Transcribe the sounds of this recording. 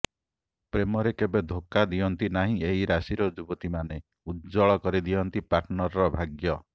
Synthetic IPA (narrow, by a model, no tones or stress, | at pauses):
pɾemɔɾekebed̪ʱokad̪iɔnt̪inaɦĩeɦiɾasiɾɔd͡ʒubɔt̪imane | ud̪d͡ʒɔɭɔkɔɾid̪iɔnt̪ipaɾʈnɔɾɔɾɔbʱaɡjɔ